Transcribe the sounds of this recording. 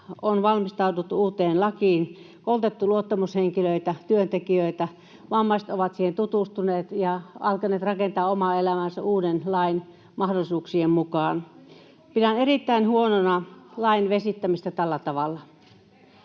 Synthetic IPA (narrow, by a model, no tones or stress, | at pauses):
onʋɑlmist̪ɑut̪ut̪ːuuːt̪eːnlɑkiːn | kolt̪et̪ːuluot̪ːɑmusheŋkiløit̪æt̪yønt̪ekiøˑit̪æ | ʋɑmːɑist̪oʋɑt̪siːhent̪ut̪ust̪uneːt̪jɑɑlkɑneːt̪rɑkent̪ɑːomɑelæmænsæʔuːdenlɑin | mɑhdolisuːksiemmukɑːn | pidænerit̪ːæinhuononɑlɑinʋesit̪ːæmist̪æt̪ælːæt̪ɑʋɑlːɑ